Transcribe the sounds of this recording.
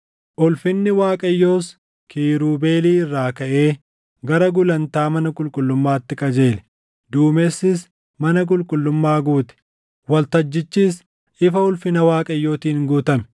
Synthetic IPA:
ʔʊlfɪnːɪwaːkʼɐjːo̞ːs | kʰiːɾuːbe̞ːliːɪrːaːkɐʔe̞ː | ɡɐɾɐɡʊlɐnt̪aːmɐnɐkʼʊlkʼʊlːʊmːaːt̪ːɪkʼɐd͡ʒe̞ːlɛ | d̪uːmeːsːɪs | mɐnɐk̬ʼʊlkʼʊlːʊmːaːɡuːt̪ɪ̥ | wɐlt̪ɐd͡ʒːɪt͡ʃːiːs | ʔɪfɐʊlfɪnɐwaːkʼɐjːo̞ːt̪iːnɡuːt̪ɐmɛ̥

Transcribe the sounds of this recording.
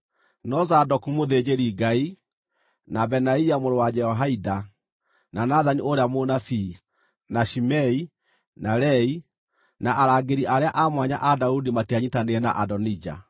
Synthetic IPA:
nɔzadɔkumoðed͡ʑeɾiɡai | nabɛnaiamoɾowad͡ʒɛɔɦaida | nanaðanioɾeamonafi | naʃimɛi | naɾɛi | naʔaɾaɡeɾiʔaɾeaʔamwaɲa̰ʔadaudimatiaɲitaneɛna̰ʔadɔnid͡ʒa̰

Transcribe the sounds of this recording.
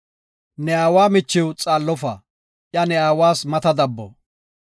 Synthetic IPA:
nɛaːwaːmɪt͡ʃːɪwt͡sʼaːlːɔfa̰ː | ʔjɐnɛaːwaːsmɐt̪ɐd̪ɐbːɔ̰

